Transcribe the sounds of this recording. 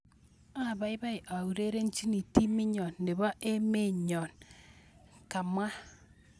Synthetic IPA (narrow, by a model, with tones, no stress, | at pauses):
a˦˨ba˨i˦ba˦jʔa˨u˨ɾe˦ɾe˦n̩˦t͡ʃi˦ni˨ti˦mi˦ɲɔ˨nːe˨βa˦ʔe˦me˦ɲɔ˨n | ka˨ma˦